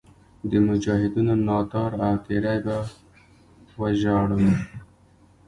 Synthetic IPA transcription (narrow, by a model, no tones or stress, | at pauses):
d̪əmʊd͡ʒɑːɦɪd̪unonɑt̪ɑɾawt̪eɾajba | waʒɑɽun